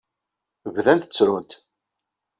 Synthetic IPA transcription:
vðænt̪t͡sːɾunt̪

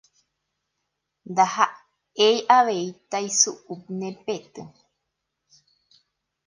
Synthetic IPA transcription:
nd̪aha | eiʔaβeit̪aisuʔup̚nẽpet̪ɨ

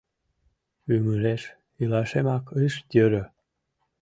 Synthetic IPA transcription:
ymuɾeʃ | ilɑʃemɑkɯʃt̪ʲøɾø

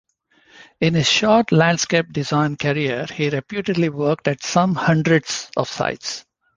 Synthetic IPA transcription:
ɪ̃nhɪz̥ʃɔːɾʈlæ̃ɳɖskeːp̚ɖɪzãɪ̃nkəɾiəɾhiɾepjuːʈeɖliʋəɾk̚ʈæʈsʌ̃mhʌ̃ɳɖɾəɖsɔ̰ʋsa̰ɪʈs

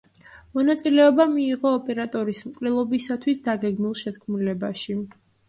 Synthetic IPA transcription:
mɔnat̪sʼilɛɔbamiːʁɔːpʼɛɾat̪ʼɔɾismkʼlɛlˠɔbisat̪ʰwisd̪aɡɛɡmilˠʃɛt̪̚kʰmulɛbaʃi

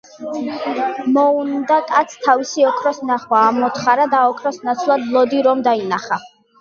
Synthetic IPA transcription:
mɔund̪akʼat̪sʰt̪ʰavisiɔkʰɾɔsnaχwaːmɔt̪ʰχaɾad̪aɔkʰɾɔsnat̪sʰlˠad̪lˠɔd̪iɾɔmd̪ainaχa

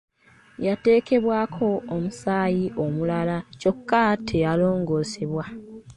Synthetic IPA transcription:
jate̞ːke̞βwaːkʰo̞ːmusaːjiʔo̞mulalaco̞kːatʰe̞jalo̞ːŋɡo̞ːseβwa

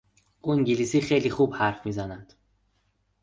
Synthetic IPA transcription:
uiŋɟilisiːxejlixubhæɾfmiːzænæd̪̥

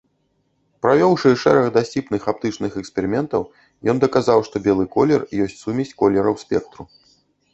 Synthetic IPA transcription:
pɾavʲɔwʂɨʂɛɾɐɣd̪asʲt͡sʲipnɨxap̚t̪ɨt͡ʂnɨxɛkspʲɛɾɨmʲɛnt̪ɐw | jɔnd̪ɐkazawʂt̪ɔbʲɛlˠɨkɔlʲɛrjɔsʲt͡sʲsumʲisʲt͡sʲkɔlʲːɛɾɐwspʲɛk̚t̪ɾu

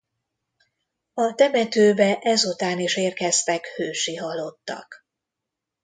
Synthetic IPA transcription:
ɒt̪ɛmɛt̪øːbɛʔɛzut̪aːniʃeːrkɛst̪ɛkhøːʃiɦɒlːo̞t̪ːɒ̰k

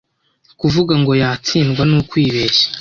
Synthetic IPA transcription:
kuvuɡaŋɡo̞jaːt͡siːnɡwanukwiːβeːʃḁ

